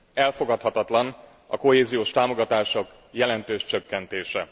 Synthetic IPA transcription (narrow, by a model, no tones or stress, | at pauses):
ɛlfo̞ɡɒt̪hɒt̪ɒt̪lɒn | ɒko̞ɦeːzijoːʃt̪aːmo̞ɡɒt̪aːʃo̞k | jɛlɛnt̪øːʃt͡ʃøkːɛnt̪eːʃɛ